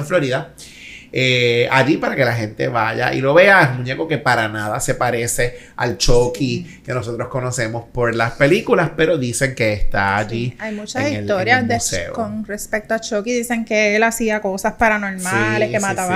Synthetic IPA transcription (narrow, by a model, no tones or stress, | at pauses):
ɱflo̞ɾiða | eaʝipaɾake̞laɦe̞nt̪e̞̰βaʝa̰ʔḭlo̞βe̞aesmuɲe̞koke̞paɾanaðase̞paɾe̞se̞ | a̰lt͡ʃokike̞no̞so̞t̪ɾo̞sko̞no̞se̞mo̞spo̞ɾlaspe̞likulaspe̞ɾo̞ðise̞ŋke̞ːst̪aːʝiajmut͡ʃasŋiselo̞ɾɾjasd̪esḛo̰konrespek̚t̪oat͡ʃokiðise̞ŋkeelasiako̞saspaɾano̞ɾmalekːemat̪aβa